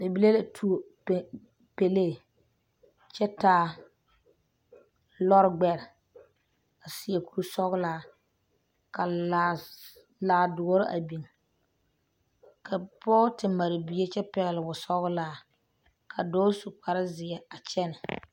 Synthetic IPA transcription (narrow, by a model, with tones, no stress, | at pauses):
be˨bi˦le˦la˨tʰu˦o˨ | p | pe˨le˦˨ | t͡ʃɛ˦taː˦ | lɔ˦ɾɡ͡bɛ˦ɾɪ˨ | a˨sɪ˨e˨ku˨ɾu˦sɔ˦ɣlaː˦ | ka˨ | laː˨dʊ˨ɔ˦ɾɪ˦ʔa̰˨bi˨ŋ | kʰa˨pɔː˦tɪ˨ma˨ɾɪ˨bi˦e˦t͡ʃɛ˦pɛ˨ɣɪ˨lɪ˨bʊ˨sɔ˦ɣʊ˦laː˦ | kʰa˨dɔː˦su˨k͡pa˨ɾɪ˦zɪ˨ɛ˨a˨t͡ʃɛ˦nɪ˨